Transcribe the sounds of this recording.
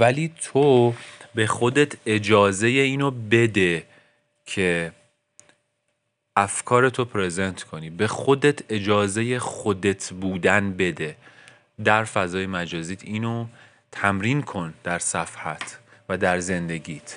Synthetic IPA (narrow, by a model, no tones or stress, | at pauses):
væliːt̪ʰobe̞xo̞d̪e̞t̪ʰe̞d͡ʒɒːze̞jeiːnobe̞d̪e̞ | cʰe̞ | æfkʰɒːɾe̞t̪ʰo̞pʰɾezent̪ʰkʰo̞niːbe̞xod̪et̪ʰe̞d͡ʒɒːze̞je̞xo̞d̪e̞t̪ʰbuːd̪ænbe̞d̪e̞ | d̪æɾfæzɒːjemæd͡ʒɒːziːt̪ʰiːno | t̪ʰæmɾiːnkʰo̞nd̪̥æɾsæfhæt̪ʰvæd̪æɾze̞nd̪e̞ɟiːt̪ʰ